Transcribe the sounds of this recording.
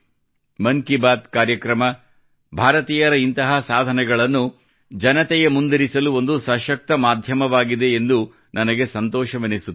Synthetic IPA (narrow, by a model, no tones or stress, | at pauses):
mɐŋkibaːd̪kaːɾjɐkɾɐmɐ | bʱaːɾɐt̪iːjɐɾɐint̪ɐɦɐsaːd̪ʱɐnɛɡɐɭɐnːu | d͡ʒɐnɐt̪ɛjemund̪ɐɾisɐluo̞nd̪usɐʃɐk̚t̪ɐmaːd̪ʱjɐmɐʋaːɡid̪e̞ːnd̪u | nɐnɐɡe̞sɐnt̪ɔːʃɐʋenisut̪ː